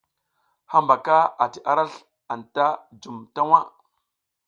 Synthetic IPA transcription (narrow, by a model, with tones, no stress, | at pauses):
ha˦mba˨ka˦a˨ti˨ʔa˦ɾa˦ɬ | a˨nta˦d͡ʒu˨mta˦wa˦